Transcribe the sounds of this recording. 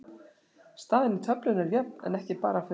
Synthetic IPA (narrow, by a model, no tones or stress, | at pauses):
st̪aːðɪnːɪt̪ʰœplʏnɛɾjɛp̚nɛ̰nɛhcɪpaːɾaf